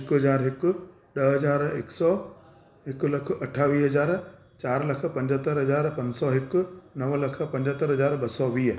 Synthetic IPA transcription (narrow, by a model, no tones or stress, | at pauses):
ɦɪkɦɐzaːɾɦɪkʊ̆ | ɗɐɦɐzaːɾḛːksɔː | ɦɪkʊ̆lɐk̆ʰɐʈʰaːʋiːɦɐzaːɾ | t͡ɕaːɾlɐkʰə̆pɐ̃ɲd͡ʑət̪əɾɦɐzaːɾpɐ̃ɲd͡ʑsɔɦɪkʊ̆nɐʋlɐkʰə̆pɐ̃ɲd͡ʑət̪əɾɦɐzaːɾɓɐsɔʋiː